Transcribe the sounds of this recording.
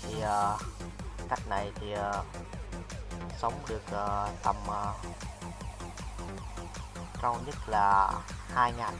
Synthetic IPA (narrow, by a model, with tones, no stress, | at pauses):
t̪ʰi˨˩ʔəː˨˩ | ka˦˥jk̟̚na˨˩jt̪ʰi˨˩ə˩ | sə˨˦wŋ͡mɗɨ˨˩ək̚ʔəː˨˩t̪ə˨˩mʔə˨˩ | kaː˧wɲə˦˥t̚laː˨˩haː˧jŋaː˨˩n